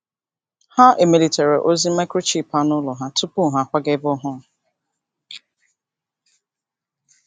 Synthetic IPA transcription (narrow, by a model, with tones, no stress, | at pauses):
ha˦ʔe˨mi˦˨li˨te˨ɾi˨ʔo˦zi˦ma˦ɪ˦kɾo˦t͡ʃi˦˨pa˦nʊ˦lɔ˨ɦa˦tu˦pu˦˨ɦa˨kʷa˦ɡe˦bɔ˦ɦʊ˦˨